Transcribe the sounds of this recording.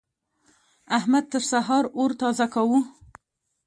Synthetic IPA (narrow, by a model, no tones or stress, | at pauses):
ahmad̪̚t̪əɾsaɦɑɾoɾt̪ɑzakawu